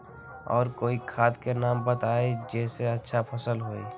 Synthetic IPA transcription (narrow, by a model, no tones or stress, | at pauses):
ɔ̰ːɾkoːikʰaːt̪kenaːmbət̪aːed͡ʒɛːseɐtːʃʰapʰɐsəlɦoːe